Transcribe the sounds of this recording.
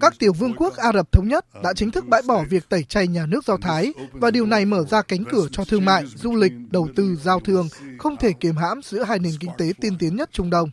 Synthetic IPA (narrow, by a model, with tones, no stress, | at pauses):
kaː˦˥k̚t̪i˧˩əwvɨ˧əŋku˦˥ək̚ʔaː˧zə˨˩p̚t̪ʰə˨˦wŋ͡mɲə˦˥t̚ɗa̰ː˧˥t͡ɕï˨˦ŋ̟t̪ʰɨ˦˥k̚ɓa̰ː˧˨jɓɔ˧˩vi˨˩ək̚t̪ə˧˩jt͡ɕa˧jɲaː˨˩nɨ˦˥ək̚za˧wt̪ʰaː˨˦jvaː˨˩ɗi˨˩əwna˨˩jməː˧˩zaː˧ka˨˦ŋ̟kɨ˧˩ət͡ɕɔ˧t̪ʰɨ˧əŋma̰ː˧˨jzu˧lï˨˩k̟̚ɗə˨˩wt̪ɨ˧zaː˧wt̪ʰɨ˧əŋxə˧wŋ͡mt̪ʰe˧˩ki˧˩mɦa̰ː˧˥mzɨ̰˧˥əɦaː˧jne˨˩mkï˧ŋ̟t̪e˨˦t̪i˧nt̪i˨˦ənɲə˦˥t̚t͡ɕʊ˧ŋ͡mɗə˧wŋ͡m